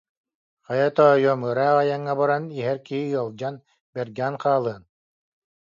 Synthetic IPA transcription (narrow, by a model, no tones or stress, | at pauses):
χɑjat̪ɔjɔmɯɾaːʁajaŋːabaɾaniɦɛɾkiɦiɯɐlˠd͡ʑan | bɛɾɡæːnqaːlˠɯːn